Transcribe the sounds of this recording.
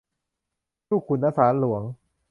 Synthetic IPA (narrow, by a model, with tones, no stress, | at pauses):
t͡ɕuː˥˩kʰu˨˩nːa˦˥saː˩˦˥nlu˨˩˦əŋ